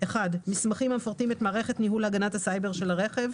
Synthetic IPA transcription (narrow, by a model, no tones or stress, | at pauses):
ʔeχadmismaχimamefoʁt̪imet̪maːʁe̞χet̪niɦulaɡanathasajbe̞ʁʃe̞laʁe̞χe̞v